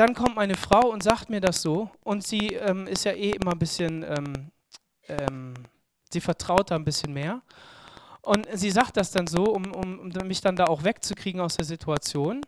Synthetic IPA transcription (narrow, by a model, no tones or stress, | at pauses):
d̥ankʰɔmtmaɪnəfʁ̥aʊʊntz̥aːk̚tmiːɐdasz̥oːʔʊntz̥iːɛːmɪstjaːʔeːʔɪmɐnbɪsçənʔɛːm | ʔɛːm | z̥iːfɛɐtʁ̥aʊt̚d̥aːnbɪsçənmeːɐ | ʔʊntz̥iːzaːk̚t̚d̥asd̥anzoːʊmʊmːɪçd̥andaːaʊxv̥ɛkt͡sukʁ̥iːɡŋ̩aʊsd̥eːɐzitʰuat͡sjoːn